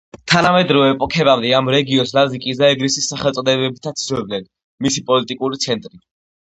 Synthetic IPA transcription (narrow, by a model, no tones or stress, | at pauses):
t̪ʰanamɛd̪ɾɔvɛːpʼɔkʰɛbamd̪ɛamɾɛɡiɔnslazikʼis̬d̪aɛɡɾisisːaχɛlˠt̪sʼɔd̪ɛbɛbit̪ʰat̪sd͡ʒɛbnɛn | misipʼɔlit̪ʼikʼuɾit̪sʰɛnt̪ʼɾi